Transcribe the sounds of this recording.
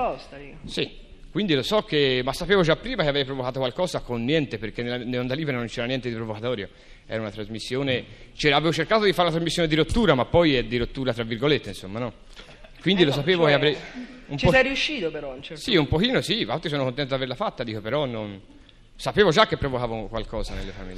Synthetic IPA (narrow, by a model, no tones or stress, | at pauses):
ɔst̪ | si | kːwind̪ilosɔkːemasːapeːvod͡ʒapːɾiːmakeavejpɾovokaːt̪okwalkɔːzakonːjɛnt̪eperk̟enːelanːelond̪aliːbeɾenont͡ʃɛːɾanjɛnt̪ed̪ipɾovokat̪ɔːɾjo | ɛ̰ːɾaunat̪ɾazmisːjoːnet͡ʃɛːɾaveːvot͡ʃerkaːt̪od̪ifaɾunt̪ɾazmisːjoːned̪iɾot̪ːuːɾamapːɔjɛd̪iɾot̪ːuːɾat̪ɾavːirɡolet̪ːeinsomːanɔ | kːwind̪ilos̬apeːvokeavɾɛjumt͡ʃposɛriuʃːiːt̪opeɾɔnt͡ʃɛsiumpokiːnosivalt̪ɾisɔːnokont̪ɛnt̪od̪aveɾlafat̪ːad̪iːkopeɾɔnːon | sapeːvod͡ʒakːepːɾovokaːvokwalkɔːzanelːefamḭlː